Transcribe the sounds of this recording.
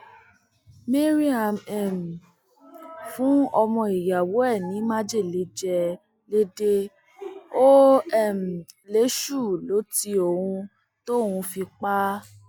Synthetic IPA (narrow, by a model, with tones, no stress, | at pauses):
mĩ˦ɾi˦a˧˨mɛ˨m̩˨ | fũ˦ɔ˧mɔ̃˧i˨ja˨wo˨˦ɛ˦˨nĩ˨˦mã˦d͡ʒe˦˨le˨˦d͡ʒɛ˧ | le˦de˦ | o˦ɛ˦˨m̩˨le˨˦ʃu˦˨lo˨˦ti˧o˨hũ˧ | to˦hũ˧fi˧k͡pa˦